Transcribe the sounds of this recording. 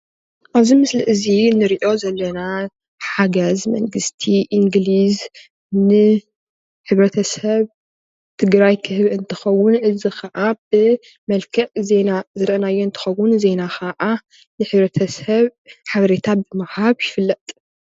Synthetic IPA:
ʔaβzimɨslɨʔɨzinɨɾiʔo̞zɐlːɐna | ħaɡɐzmɐ̰ŋɡɨst̪ʰiʔiŋɡliz | nɨ | ħɨβɾɐt̪ʰɐsɐβ | t̪ʰɨɡɾajkʰɨhɨβɨnt̪ʰɐ̥xɐwːʊnʔɨzixʰɐʔabɨ | mɐlkʰɐʔze̞nazɨɾʔɐnajːoɨnt̪ʰɐ̥xɐwːʊnze̞naxʰɐʔa | nɨħɨβɾɐt̪ʰɐsɐβħaβɐɾet̪ʰabɨmahaβjɪfɨlːɐt̪ʼ

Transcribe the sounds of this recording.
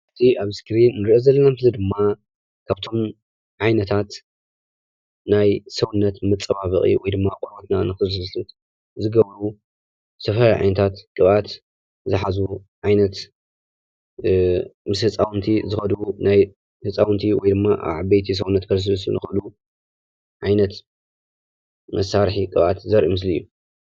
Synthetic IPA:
ʔɨt̪ʰiʔaβskɾinːɨɾiʔozɐlːɐnamt̪ʰɨzɐd̪ɨmːa | kʰaβt̪ʰo̞m | ʕajnɐt̪ʰat̪ | najsɐwunːɐt̪mɨt͡sʼːɐβaβɨχʼḭwɔjd̪ɨmːakʼoɾbot̪nanɨxɨsɐlɨt̪ | zɨɡɐβɾu | sɐfɐɾajʕa̰jnɐt̪ʰat̪kʼɨβat̪ | zɨħazuʕajnɐt̪ | mɨshɨt͡sʼawnt̪ʰizɨxɐd̪wunaj | hɨt͡sʼawnt̪ʰiwɔjd̪ɨmːaʔa̰βʕaβbɐjt̪ʰis̬ɐwunːɐt̪kʰɐɾs̬ɨs̬nɨxɨʔɨlu | ʕajnɐt̪ | mʔɐsːaɾħikʼɨβʔat̪zɐɾʔimɨs̬lijːu

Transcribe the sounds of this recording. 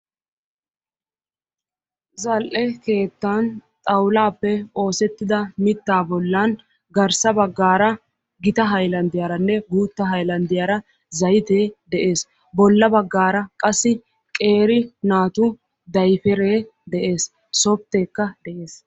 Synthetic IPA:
zɐlʔɛke̞ːt̪ːant̪ʼɐwlaːpːɛo̞ːsɛt̪ːɪd̪ɐmɪt̪ːaːbɔlːan | ɡɐɾsɐbɐɡːaːɾɐ | ɡɪt̪ɐɦɐjlɐnd̪ɪjaːɾɐnːɛbuːt̪ːɐɦɐjlɐnd̪ɪjaːɾɐ | zɐjt̪eːd̪ɛʔe̞ːs | bɔlːɐbɐɡːaːɾɐkʼɐsːɪ | kʼe̞ːɾɪnaːt̪ʊ | d̪ɐjfɛɾeːd̪ɛʔe̞ːs | sɔb̚t̪ːeːkːɐd̪ɛʔe̞ːs

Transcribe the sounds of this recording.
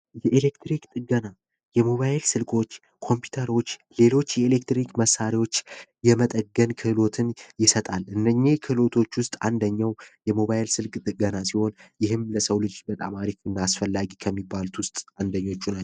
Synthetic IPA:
jɛʔelekt̪ɾikt̪ʼɨɡəna | jɛmo̞βajlsɨlkʼo̞t͡ʃː | kʰo̞mpʰju̥t̪ʰəɾo̞t͡ʃː | le̞lo̞t͡ʃːjɛelek̚t̪ɾikməsːaɾiwo̞t͡ʃːjɛmət̪ʼəɡənkʰɨhlo̞t̪ʰɨnjɪsət̪ʼalɨnːəɲːekʰɨlo̞t̪ʰo̞t͡ʃːwʊst̪ʼa̰nd̪əɲːawjɛmo̞βajlsɨlkʼt̪ʼɨɡənasiho̞njɪɦɨmləsəwlɨd͡ʒbət̪ʼa̰maɾikɨnːaːsfəlːaɡikʰəmːibːalt̪ʰwʊst̪ʼand̪əɲːo̞t͡ʃːuna

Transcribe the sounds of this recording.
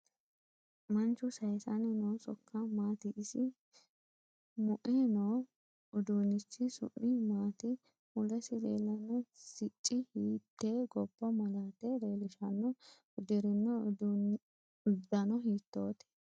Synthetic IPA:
mɐnt͡ʃːʊsɐjsɐnɛnoːsɔkːɐmaːt̪ɪʔːsɪ | mʊʔenoː | ʊd̪uːnɪt͡ʃːɪsʊ̰ʔːɪmaːt̪ɪ | mʊlɛsɪlḛːlːɐnːɔsɪt͡ʃʼːɪhiːt̪ːeːɡɔbːɔmɐlaːt̪ed̪eːlɪʃɐnːɔ | ʊd̪ɪɾɪnːɔ | ʊd̪ːɐnɔɦiːt̪ːo̞ːt̪ɛ̥

